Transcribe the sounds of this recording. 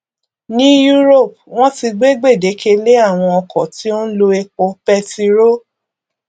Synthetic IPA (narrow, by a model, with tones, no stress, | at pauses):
nĩ˦ju˦ɾo˦˨p̚w̃ɔ̃˦ti˧ɡ͡be˦ɡ͡be˦˨de˨˦ke˧le˦a˦˨w̃ɔ̃˧ɔ˧kɔ̃˨ti˦o˦lo˧e˧ko˧˦pɛ˧ti˧ɾo˦